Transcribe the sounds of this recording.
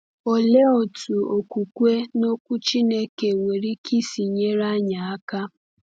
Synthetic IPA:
o˨le˦o˨tu˨o˨kʷu˨kʷe˦no˦kʷʊ˦t͡ʃi˦ne˦ke˨we˨ɾi˦ki˦si˨ɲe˦ɾa˦ɲa˨a˦ka˦

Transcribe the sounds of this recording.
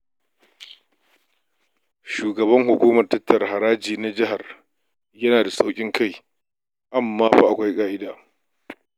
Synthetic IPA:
ʃuː˨ɡɐ˨βɐ˦ŋɦʊ˨kʷuː˦mɐ˨rtɐ˦tːɐ˨rɦa˨ɾaː˦d͡ʒiː˨na˦d͡ʒɪ˦ɦa˨r | jɐ˦naː˨da˨sa˦wkʲʼɪ˦ŋkʰa˦j | ʔa˨mːaː˦ba˨ʔa˨kʷa˦jkʼaː˦ʔɪ˦daː˨

